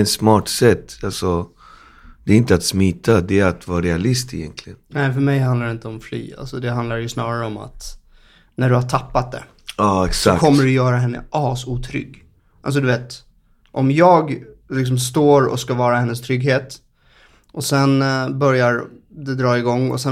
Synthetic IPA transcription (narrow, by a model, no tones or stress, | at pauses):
ɛt̪smɑːʈsɛt̪ːalsɔ | d̪̥ɛɾɪnt̪əat̪smiːt̪ʰad̪ɛɾat̪vɑːɾɛalɪst̪ɛjɛ̰nk̪ʰlɪɡənnɛɪfœɾmɛjɦand̪laɾɖɛɪnt̪əɔmfly̰ːa̰lsɔd̪ɛɦand̪laɾjɵsnɑːɾaɾəɔma̰t̪ | næɖɵhaʈʰapːat̪̚d̪ɛ̰ | ɑːɛksɔakʰɔmːəɖɵjœːɾaɦɛnːə̰ʔɑːsuːt̪ʰɾʏ̰ɡː | ʔa̰lsɔd̪ɵveːt̪ | ʔɔmjɑːɡlɪks̬ɔmst̪oːɾɔ̰skavɑːɾahɛnːəst̪ʰɾʏɡɦeːt̪ | ʔɔsɛnbœɾjaɾd̪ɛd̪ɾɑːɪɡɔŋːɔ̰sɛ